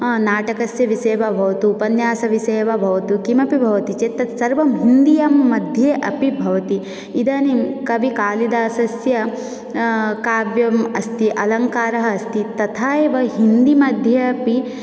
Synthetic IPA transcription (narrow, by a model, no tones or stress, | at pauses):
naːʈɐkɐsjɐʋiseːʋɐbʱɐʋɐt̪uːpɐnjaːsɐʋiseːʋɐbʱɐʋɐt̪ukimɐpibʱɐʋɐt̪it͡ʃet̪ːɐt̪sɐɾʋɐmɦind̪ijamːɐd̪ʱjeːʔɐpibʱɐʋɐt̪i | id̪aːnimkɐʋikaːlid̪aːsɐsjɐ | kaːʋjɐmɐst̪iʔɐlɐŋkaːɾɐɦɐːst̪it̪ɐt̪ʰaːjeʋɐɦind̪imɐd̪ʱjɐɐpi